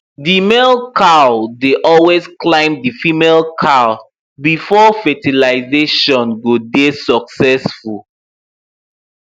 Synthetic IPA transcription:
dimelˠkʰaldeʔɔlwezklãɪ̃mdifimelkʰal | bifɔfɛtilaɪzeʃɔ̃nɡodesɔksɛsful

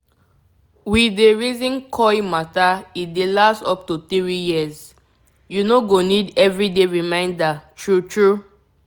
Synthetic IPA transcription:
wideɹizĩnkʰɔimataidelastɔp̚tut̪iɹijiz | junoɡonidɛvɹideɹimãɪ̃ndatʰɹutɹu

